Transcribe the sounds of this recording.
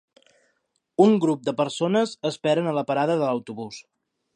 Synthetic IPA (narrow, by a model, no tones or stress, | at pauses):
uŋɡɾup̚d̪əpəɾsonəzəspɛɾənələpəɾaðəðələwt̪uβus